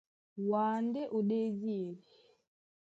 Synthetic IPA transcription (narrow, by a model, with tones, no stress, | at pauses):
waː˨ndɛ˦ʔo˨ɗe˦zi˦e˨li˨